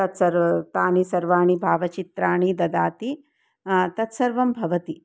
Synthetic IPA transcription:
ɐt̪sɐɾt̪aːnisɐɾʋaːɳ̃ibʱaːʋɐt͡ʃit̪ɾaːɳ̃id̪ɐd̪aːt̪i | t̪ɐt̪sɐɾʋɐmbʱɐʋɐt̪i

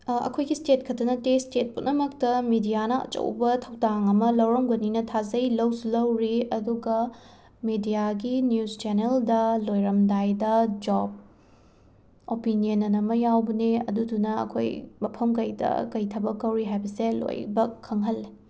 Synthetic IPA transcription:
ɐ̰kʰojɡistet̚kʰɐtːɐnɐtestet̚punɐmɐktɐmidijanɐɐ̰t͡ʃɐ̰wbɐtʰɐwdaŋɐmɐlɐwɾɐmɡɐninɐtʰazɐjlɐwsulɐwɾiɐduɡɐ | midijaɡinjust͡ʃeneldɐlojɾɐmdajdɐd͡ʒob̚ | opinijonɐnɐmɐjawbɐneɐ̰dudunɐɐ̰kʰo̰jmɐpʰɐmkɐjdɐ̰kɐjtʰɐbɐkːɐwɾiɦajbɐselo̰jbɐkʰːɐŋɦɐlːi

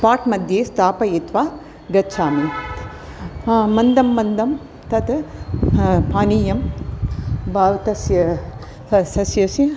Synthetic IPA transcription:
paːʈmɐd̪ʱjeːst̪aːpɐjit̪ʋaː | ɡɐtːt͡ʃaːmi | mɐnd̪ɐmːɐnd̪ɐm | t̪ɐt̪ | paːniːjɐm | bʱaːʋt̪ɐsjɐ | sɐsjɐsjɐ

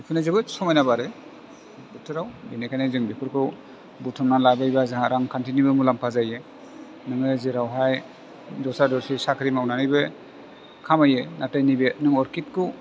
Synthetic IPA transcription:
pʰɯnazɯbɯsɔmajnabaɾɯ | butʰɯɾawbinekʰanezɯŋbipʰɯɾkʰɯ | butʰɔmnalabajbazaɦaɾaŋkʰantʰinibɯmulampʰazaje | nɯŋɯzeɾawɦaj | zɔwsadɔɾsʰisakʰɯɾimawnanɯjbɯ | kʰamajenatajnibenɯŋɔɾkit̚kʰɯ

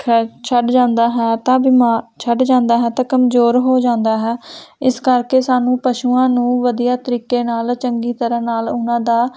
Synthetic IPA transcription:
kʰt͡ʃʰəɖd͡ʒãːnd̪aːɦɛːt̪ãːbɪmaːt͡ʃʰəɖd͡ʒãːnd̪aːɦɛːt̪ãːkəmzoːɾɦoːd͡ʒãːnd̪aːɦɛːɪskəɾkeːsaːnũːpəʃuːãːnũːʋəd̪ijaːt̪əɾiːkeːnaːlt͡ʃəŋɡiːt̪əɾãːnaːlʊnãːd̪aː

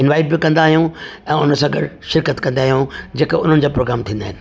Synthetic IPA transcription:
ɪ̃nʋaːɪɖbɪkɐ̃nd̪aːɦijũ | ɛ̃ːʊnə̆sãːɡɐ̰ɽʃɪɾkət̪kɐ̃nd̪aːɦijũd͡ʑeːkʊn̤ɦənɪ̆d͡ʑaːpɾoːɡɾaːmt̪ʰĩːnd̪aːɦɪnɪ̆

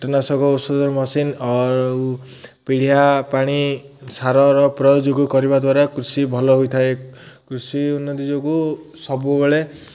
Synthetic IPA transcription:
ʈɔnasɔɡɔosɔd̪ɔɾmɔsina | piɽ̤ijapaɽ̃i | saɾɔɾɔpɾɔjod͡ʒoɡukɔɾibad̪waɾakɾusibʱɔlɔɦojt̪ʰaekɾusiunːɔt̪id͡ʒoɡusɔbubeɭe

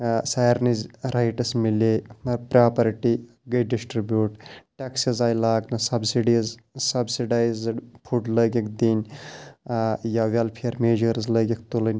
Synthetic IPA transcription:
saːɾnizɾajʈɐsmileɐpɾaːpɐɾʈi | ɡɐjɖisʈɾibjuːʈʈeksizaːjlaːɡnɐsɐbsiɖizsɐbsiɖaːjzɽpʰuʈləːɡʲɐkʰd̪inʲ | jaʋɐlpʰiɐɾmeːd͡ʒəɾzləɡʲɐk̚ʰt̪ulənʲ

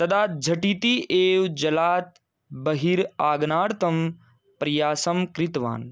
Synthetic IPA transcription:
t̪ɐd̪aːt̪̚d͡ʒʱɐʈit̪iʔeːwd͡ʒɐlaːt̪ | bɐɦiɾaːɡnaːɾt̪ɐm | pɾɐjaːsɐmkɾit̪ʋa̰ːn

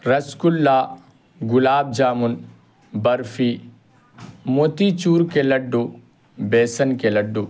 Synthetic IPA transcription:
ɾɐskulːaː | ɡʊlaːb̚d͡ʒaːmun | bɐɾfʰi | moːt̪it͡ʃuːɾkelɐɖːu | beːsɐnkelɐɖːu

